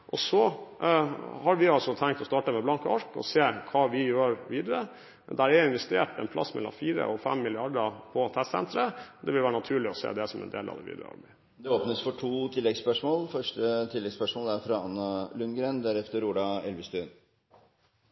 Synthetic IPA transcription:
ʔɔsɔ | hɑɾʋɪɑlsɔt̪ʰæŋkt̪ɔst̪ɑːʈəmɛblɑŋkəɔʂkɔ̰seːkʰɑːʋɪjøːɾʋiːd̪əɾə | d̪æɾɛɪnʋɛst̪eːʈɛnp̪ʰɑ̰sːmɛlːɑ̰mfiːɾə̰ʔɔfɛmːɪlɪɑɖəpʰɔt̪ʰɛst̪sɛ̰nt̪ɾəd̪ɛʋɪlʋæːɾənɑt̪ʰʉːɭɪɔsḛːd̪ɛsɔmʔɛ̰nd̪ḛːlɑ̰d̪ɛ̰ʋḭːd̪ɾə̰ɔ̰bi | d̪ɛoːpnəsfɔʈʰuːt̪ʰɪlːɛɡspœʂmoːlfœʂʈət̪ʰɪlːɛɡspœʂmoːlæɾfɾɑɑnːəlʉnɡɾeːnd̪æɾɛft̪əɾuːɖɑɛlʋəst̪ʉn

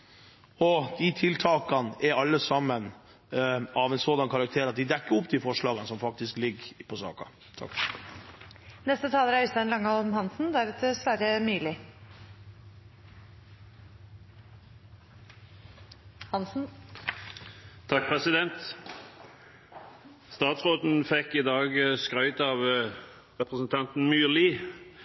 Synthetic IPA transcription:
ɔd̪̥it̪ʰɪlt̪ʰɑːkɑnɛɾɑlːəsɑmːən | ɑʋɛnsoːd̪ɑnkʰɑɾɑk̚t̪ʰeːɾɑt̪̚d̪ɪd̪ɛkːəɾʊp̚d̪iːfɔʂɭɑːɡənəsɔmfɑk̚t̪ɪsklɪɡpʰɔsɑ̰ːkɑ̰ | t̪ʰɑ̰k | nɛst̪ət̪ʰɑːləɾæɾɪst̪ɛnlɑŋːəɔmhɑnsn̩d̪æɾɑt̪əsʋæɾəmyːlɪ | hɑnsn̩ | t̪ʰɑk̚pʰʁɛsɪd̪ɛnt̪ | st̪ɑːt̪sʁoːd̪n̩fɛkːɪd̪ɑːɡskʁœʏt̪ɑʋ | ʁɛpʁəsn̩t̪ʰɑnt̪n̩myːʁliː

